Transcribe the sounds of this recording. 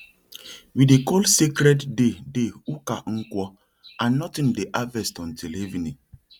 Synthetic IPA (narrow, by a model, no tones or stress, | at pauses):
widekɔlsekɾɛdːedeukaŋ̩kʷɔ | anɔtin̩deʔavɛstɔ̃n̩televini